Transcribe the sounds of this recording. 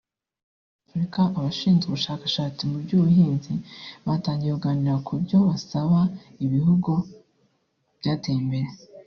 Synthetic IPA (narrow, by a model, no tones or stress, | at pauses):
aafɾikaʔaβaʃiːnzɡeβuʃaːkḁʃaːt͡simubɟuːβuhiːnziβaːtaːɲɟiekuɡaːniɾakʰubɟo̞βasaβa | iβihuɡu | βɟaːteːmbe̞ɾe